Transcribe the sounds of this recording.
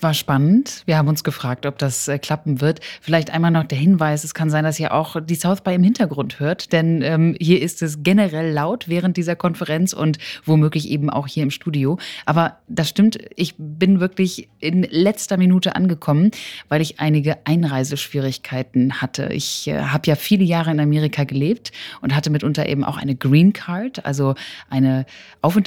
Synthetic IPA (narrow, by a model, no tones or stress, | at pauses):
sv̥aːɐʃpanəntviɐhaːbm̩ʊnsɡ̥əfʁ̥aːk̚tɔp̚d̥asɛkʰl̥apm̩vɪɐtfɪlaɪçtʔa̰ɪnmaːlnɔχd̥eːɐɦɪnvaɪs̬ɛskʰanzaɪndasiːɐʔa̰ʊxd̥iːsaʊθb̥aɪɪmhɪntɐɡʁʊnthøːɐtd̥ɛnʔɛːmhiːɐʔɪstɛs̬ɡenəʁɛlːaʊtv̥ɛːʁ̞əntd̥iːzɐkʰɔnfəʁɛnt͡sʊ̰ntv̥omøːklɪçʔḛːbm̩ʔa̰ʊxhiːɐɪmʃtuːdioʔaːbɐd̥asʃtɪmtʔɪçbɪnvɪɐklɪçʔɪnlɛt͡stɐminuːtəʔa̰nɡəkʰɔmənvaɪlɪçʔa̰ɪnɪɡəʔaɪnʁaɪzəʃv̥iːʁɪçkʰaɪtn̩hatʰə̰ʔɪ̰çʔɛ̰ːɦaːbəjaːfiːləjaːʁəɪnameːʁ̞ikʰaɡəleːp̚tʔʊnthatəmɪtʔʊntɐʔḛːbm̩ʔa̰ʊxʔa̰ɪnəɡʁiːnkʰaɐtʔa̰lzoʔaɪnəʔaʊfʊnt